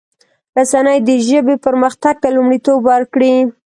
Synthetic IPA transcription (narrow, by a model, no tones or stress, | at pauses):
ɾasanəjd̪əʒəbepəɾməxt̪aɡ̚t̪alumɽit̪obwaɾkɽi